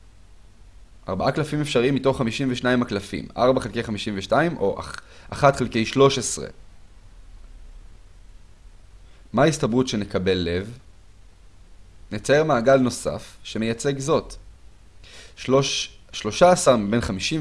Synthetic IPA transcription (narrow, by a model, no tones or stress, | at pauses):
ʔaʁbaʔaklafimefʃaʁiimːito̞χːamiʃimveʃnaimaklafḭma̰ʁbaχelke̞jχamiʃimveʃtaimʔo̞ʔa̰ʔaχatχelke̞jʃlo̞ʃesʁḛ | maistabʁutʃe̞ne̞kabe̞lːe̞v | net͡saeʁmaːɡalno̞sa̰fʃemejat͡se̞ɡzo̞t | oʃlo̞ʃaːsaʁmibe̞nχamiʃi